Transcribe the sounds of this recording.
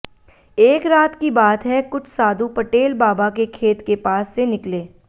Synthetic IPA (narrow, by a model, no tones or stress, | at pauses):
eːkɾaːt̪kibaːt̪ɦɛkʊt͡ʃʰsaːd̪ʱupɐʈeːlbaːbakekʰeːt̪kepaːsːenɪkleː